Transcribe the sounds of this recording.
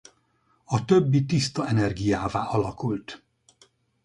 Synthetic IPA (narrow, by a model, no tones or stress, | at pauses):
ɒt̪øbːit̪ist̪ɒɛnɛrɡijaːvaːʔɒlɒkult̪